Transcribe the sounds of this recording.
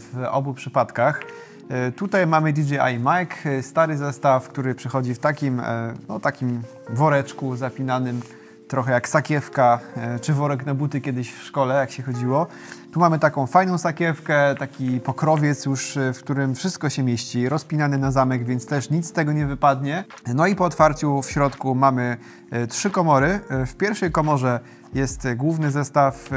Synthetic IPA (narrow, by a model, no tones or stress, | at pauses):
vɔ̰bupʂɘpat̪kax | t̪ut̪ajmamɘd̪ʲid͡ʒɛa̰jmakst̪aɾɘzɛst̪afkt̪uɾɘpʂɛxɔd͡ʑift̪akʲimnɔt̪akʲim | vɔɾɛt͡ʂkuzapʲinanɘm | t̪ɾɔxɛjaksakʲɛfkat͡ʂɘvɔɾɛknabut̪ɘkʲjɛd̪ɘɕfʂkɔlɛjakɕɛxɔd͡ʑiwɔ | t̪umamɘt̪akɔ̃w̃fajnɔ̃w̃sakʲjɛfkɛt̪akʲipɔkɾɔvʲjɛt̪sjuʂfkt̪uɾɘmfʂɘst̪̚kɔɕɛmʲjeɕt͡ɕiɾɔspʲinanɘnazamɛɡvʲjɛnt̪st̪ɛʂɲit̪st̪ɛɡɔɲɛvɘpad̪ɲɛ | nɔipɔːt̪faɾt͡ɕufɕɾɔt̪kumamɘ | tʂɘkɔmɔɾɘfpʲjɛɾfʂɛjkɔmɔʐɛ | jɛst̪ɡwuvnɘzɛst̪af